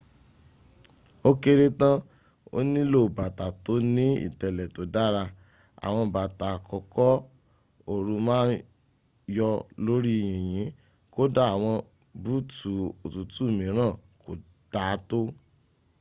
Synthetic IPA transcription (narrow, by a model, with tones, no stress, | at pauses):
o˦ke˧ɾe˧tã˦ | o̰˦nĩ˦lo˦˨ba˨ta˨to˨˦nĩ˦ḭ˦˨tɛ˨lɛ˨to˨˦da˦ɾa˧ | a̰˨w̃ɔ̃˧˨ba˨ta˨kʰɔ˨˧kɔ˦ | o˨ɾũ˧mãː˦n | jɔ˧lo˦ɾi˦˨ĩ˨j̃ĩ˨˦ | ko˦da˦˨a˨w̃ɔ̃˧ | bu˦tu˨o˨tu˨˦tu˦˨mĩ˨˦ɾ̃ã˦˨kʰo˨ | d̥a˨˦to˦